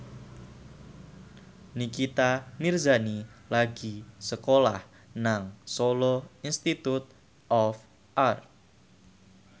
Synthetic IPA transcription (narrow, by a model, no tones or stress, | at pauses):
nikit̪amirzanilaɡ̥isəkolah | naŋsoloinst̪it̪ut̪̚ | ʔɔf | ʔart̪̚